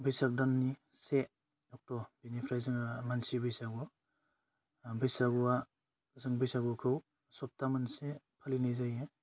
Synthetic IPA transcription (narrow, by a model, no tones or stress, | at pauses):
bijsak̚danːi | se | ɔk̚tɔbinipʰɾajzɯŋmansibɯjsaɡu | bɯjsaɡua | zɯŋbɯjsaɡukʰɯw | sɔp̚tamɯnse | pʰalinajzaje